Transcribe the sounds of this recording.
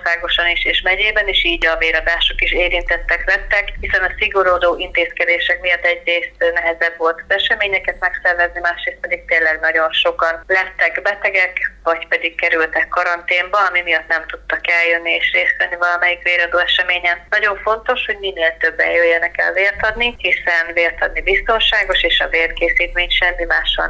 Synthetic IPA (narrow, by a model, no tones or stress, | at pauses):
osaːɡo̞ʃɒniʃeːʃmɛɟeːbɛniʃiːɟɒveːɾɒd̪aːʃokiʃeːɾint̪ɛt̪ːɛklɛt̪ːɛkhisɛnɒsiɡo̞ɾoːd̪oːʔint̪eːskɛd̪eːʃɛkmijɒt̪ːɛɟreːst̪nɛɦɛzɛbʋo̞lt̪ɒ̥zɛʃɛmeːɲɛkɛt̪mɛksɛrvɛznimaːʃreːst̪̚pɛd̪ik̚t̪eːnlːɛɡnɒɟo̞nʃo̞kɒnlɛt̪ːɛkbɛt̪ɛɡɛkvɒcpɛd̪ikkɛɾylt̪ɛkkːɒɾɒnt̪eːmbɒɒmimijɒt̪nɛmt̪ut̪ːɒkɛljønːieːʃreːsɛnːivɒlɒmɛjikʋeːɾɒd̪oːɛʃɛmeːɲɛmnɒɟo̞ɱfo̞nt̪o̞ʃho̞ɟmineːlt̪ø̞bːɛ̰jjøjːɛnɛkɛ̰lveːrt̪ɒd̪nihisɛnveːrt̪ɒd̪nibist̪o̞nʃaːɡo̞ʃeːʃɒveːrkeːsiːt̪meːɲʃɛmːimaːʃɒ̰n